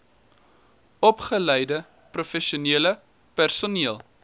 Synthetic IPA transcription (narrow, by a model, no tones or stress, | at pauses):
ɔpχəlɛjdə | profɛʃuniələ | pærsuniəlˠ